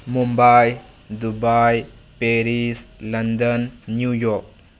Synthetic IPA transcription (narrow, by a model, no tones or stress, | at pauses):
mumbaj | dubaj | peɾislɐndənːjujɔk̚